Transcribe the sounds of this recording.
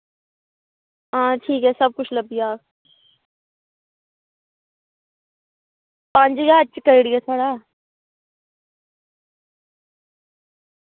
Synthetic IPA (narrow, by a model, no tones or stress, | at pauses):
ɦãːʈʰiːkɦɛːsəb̚kʊt͡ʃʰləbijaː | pə̃ɲd͡ʒɡaːətːt͡ʃkəɾiɽiɛːt̪ʰaːɽaː